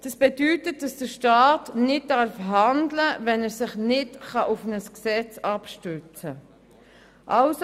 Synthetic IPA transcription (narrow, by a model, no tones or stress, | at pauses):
d̥ɑsb̥ɛdytət̚d̥ɑsd̥əʃtaːtnɪt̚dɑɾfɦɑndləvɛnɛɾsɪχnɪtχɑʔʊfnəsksɛt͡sɑpʃtʉt͡sə | ʔɑls